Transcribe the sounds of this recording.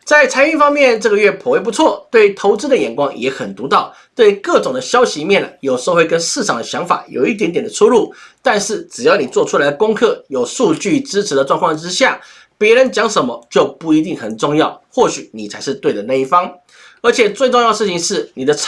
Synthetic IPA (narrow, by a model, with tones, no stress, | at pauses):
t͡sa˥˩ɪt͡sʰa˥ɪy˥˧nfɑ˥ŋmjɛ˥˧˨nʈ͡ʂɤ˥˩ɡə˩ɥɛ˥˩pʰɔ˧˥we˥˩ɪpu˧˥t͡sʰwɔ˥˩t̪we˥˩ɪt̪ʰo˧˥ʊt͡sɻ̩˥d̪ə˨jɛ˨˩nkwɑ˥ŋjɛ˧˥xə˨˩nt̪u˧˥t̪ɑ˥˩ʊ | t̪we˥˧ɪkɤ˥˩ʈ͡ʂʊ˨˩ŋd̪ə˦ɕjɑ˥ʊɕi˧˥mjɛ˥˩nə̰˩jo˨˩ʊʂxwe˥˧kə˥nʂɻ̩˥˩ʈ͡ʂʰɑ˨˩ŋd̪ə˦ɕjɑ˧˥ŋfa̰˨˩˦jo̰˨˩ʊi˥t̪̬jɛ˧˥nt̪jɛ˨˩nd̪ə˦ʈ͡ʂʰu˥lu˥˩t̪a˥˧nʂɻ̩˥˩ʈ͡ʂɻ̩˨˩jɑ˥˩ʊni˨˩t͡swɔ˥˧ʈ͡ʂʰu˥la˧˥ɪə˧kʊ˥ŋkʰɤ˥˩jo˨˩ʊʂu˥˧t͡ɕy˥˩ʈ͡ʂɻ̩˥ʈ͡ʂ̩ʰ˧˥d̪ə˧ʈ͡ʂwɑ˥˧ŋkʰɑ˥˨ŋʈ͡ʂɻ̩˥ɕja˥˩ | pjɛ˧˥ɻə˧˦˥nt͡ɕjɑ˧˥ŋʂə˧˥nmə˦t͡ɕjo˥˧ʊpu˥˩i˧˥t̪i˥˩ŋxə˨˩nʈ͡ʂʊ˥˧ŋjɑ˥˩ʊxwɔ˥˩ɕy˨˩˦ni˨˩t͡sʰa˧˥ɪʂɻ̩˥˧t̪we˥˩ɪd̪ə˩na˥˧i˥˩fɑ˥ŋ | ə˞˧˥t͡ɕʰjɛ˨˩t͡swe˥˧ɪʈ͡ʂʊ˥˧ŋjɑ˥˧ə˧ʂ̩˥˩t͡ɕʰi˨˩ŋʂɻ̩˥˩ni˨˩d̪ə˦